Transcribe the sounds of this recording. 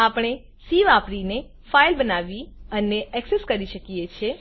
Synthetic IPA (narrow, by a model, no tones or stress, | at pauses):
apɽ̃e | siʋapɾine | fajlbənaʋiəneɛkseskəɾiʃəkijet͡ʃʰe